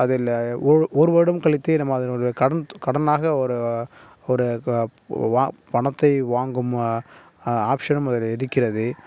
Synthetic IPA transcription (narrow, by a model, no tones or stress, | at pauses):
ɐðɪlɔɾʔɔɾɯʋɐɽɯmkɐɭɪt̪ːɯnɐmːaɐðɪɾɔɾkɐɽɐnkɐɽɐnaːɣɐɔɾɯ | ɔɾɯː | pɐɳɐt̪ːɐɪʋaːŋɡɯm | aːpʂɐnɐmɐðɪlɛðɯkːɪrɐðɯ